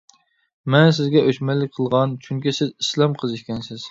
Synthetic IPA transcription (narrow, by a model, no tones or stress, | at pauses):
mɛns̬ɪzɡʲɛʔøʃmɛlːɪk̚ʲqʰəlˠʁɑnt͡ʃʰyŋkʲisɪzislˠɑmqʰəzɨʃʲkʲɛnsɪz̥